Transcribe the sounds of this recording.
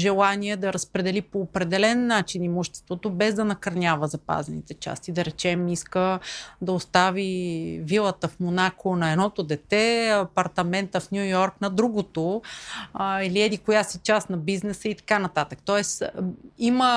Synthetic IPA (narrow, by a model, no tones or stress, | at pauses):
ʒɛlˠaniɛd̪ɐɾɐspɾɛd̪ɛlipoːpɾɛd̪ɛlɛnːat͡ʃinimoʃt̪ɛ̥st̪vot̪obɛzd̪ɐnɐkɐɾnʲavəzɐpa̰zɛnḭt̪ɛt͡ʃa̰st̪id̪ɐɾɛt͡ʃɛmiskəd̪ɐost̪avivilˠət̪əfmonakonɐɛd̪nɔt̪od̪ɛt̪ɛɐpɐɾt̪ɐmɛnt̪əfnʲjujɔɾknɐd̪ɾuɡot̪o | iliɛd̪ikojasit͡ʃast̪nɐbiznɛsəit̪ɐ̥kanɐt̪at̪ək̚t̪ɔɛsimə